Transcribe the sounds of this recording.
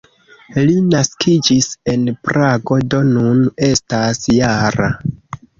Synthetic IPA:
linaskʰid͡ʒise̞npɾaɡo̞do̞nune̞stasjaɾa

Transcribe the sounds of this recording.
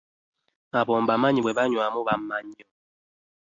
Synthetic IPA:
abɔmbamaɲiwɛbaɲwamubammːaɲɔ

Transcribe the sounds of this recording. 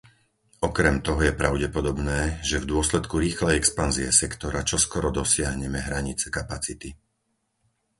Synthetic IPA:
ɔkɾɛmt̪ɔɦɔjɛpɾaʊɟɛpɔd̪ɔbnɛːʒɛvd̪ʊɔslɛt̪kuɾiːxlɛjɛkspanziɛsɛkt̪ɔɾat͡ʃɔskɔɾɔd̪ɔsɪaɦɲɛmɛɦɾaɲit͡sɛkapat͡sit̪i

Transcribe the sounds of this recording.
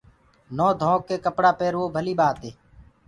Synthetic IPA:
noːd̪ʱõːkːeːkəpɽaːpeːɾʋoːbʱəliːɓaːt̪eː

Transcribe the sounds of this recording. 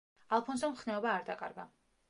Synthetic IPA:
alˠpʰɔnzɛmχnɛɔbaːɾd̪akʼa̰ɾɡa

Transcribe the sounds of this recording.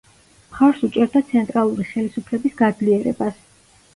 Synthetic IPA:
mχafɾsut͡ʃʼɛɾd̪at̪sʰɛnt̪ʼɾalˠuɾiχɛlisupʰlɛbisɡad̪zliɛɾɛ̰bas

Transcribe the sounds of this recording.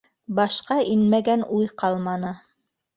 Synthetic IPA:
bɑʃqɑʔinmæɡænujqɑlˠmɑnɤ

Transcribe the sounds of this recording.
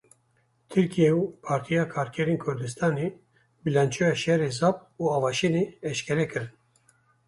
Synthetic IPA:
t̪ʰɨɾkijɛupʰɑːɾt̪ʰijɑːkʰɑːɾkʰɛɾeːnkʰʊɾd̪ɨst̪ʰɑːneː | bɨlɛnt͡ʃʰojɑːʃɛɾezɑːpuːɑːvɑːʃeneːɛʃkʲʰɛɾɛkɨɾɨn

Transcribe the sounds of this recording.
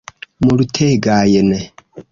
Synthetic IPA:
mulutʰeɡaːjene

